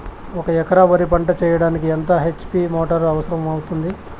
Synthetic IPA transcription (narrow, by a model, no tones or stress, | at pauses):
ɔkɐɛkɐɾaːbɐɾip̬ɐɳʈɐt͡ʃɛːjɐɽaːnikient̪ɐɦet͡ʃːpimoːʈɐɾɐʋɐsɐɾɐmɐwut̪und̪i